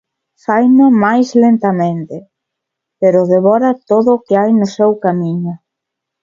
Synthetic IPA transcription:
fajnamajslent̪amẽnt̪ɪ | peɾʊðeβɔɾɐt̪oðʊkɪajnʊsewkamiɲʊ

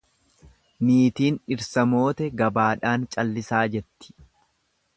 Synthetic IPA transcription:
miːt̪iːnɪɾsɐmo̞ːt̪ɛɡɐbaːᶑaːnt͡ʃʼɐlːɪsaːd͡ʒɛt̪ːɪ̥

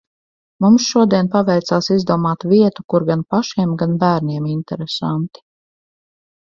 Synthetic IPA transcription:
mumsʃuɔd̪iɛnpavɛjt̪saːsizd̪uɔmaːt̪viɛt̪ukuɾɡanpaʃiɛmɡanbæːɾniɛmint̪ɛɾesant̪i̥

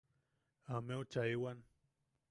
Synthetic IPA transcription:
ameut͡ʃaiwan

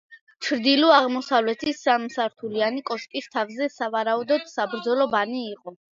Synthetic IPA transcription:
t͡ʃʰɾd̪ilɔaʁmɔsavlɛt̪ʰisamsaɾt̪ʰulianikʼɔʃkʼist̪ʰavzɛsavaɾaud̪ɔd̪̥sabɾd̪zɔlɔbaniːqʼɔ

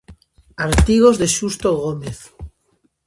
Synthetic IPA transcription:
aɾt̪iɣ̞ozðeʃust̪oɣ̞omeθ

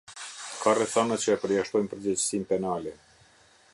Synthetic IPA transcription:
kʰarɛθanat͡ɕəɛpəɾjaʃt̪ɔjmpəɾd͡ʑɛt͡ɕsimpɛnalɛ

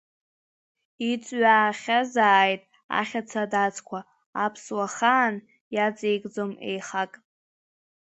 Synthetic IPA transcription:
it͡sʷʼɥaːχʲazaːjtʼ | a̰χʲat͡sʰadat͡sʰʼkʷʰa | apʰswaχaːn | jat͡sʼejkʼd͡zome̞̰jχakʼ

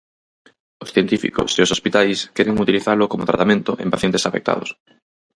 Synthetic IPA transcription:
osθjent̪ifḭkʊ̰seosospit̪ajskɛɾeŋut̪iliθaɾlʊkomoʊt̪ɾat̪amẽnt̪ʊʔḛmpaθjɛnt̪esafḛk̚t̪a̰ðʊ̰s

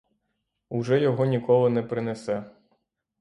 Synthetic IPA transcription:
uʒɛjɔɦɔnʲikɔlˠɪnɛpɾɪnesɛ

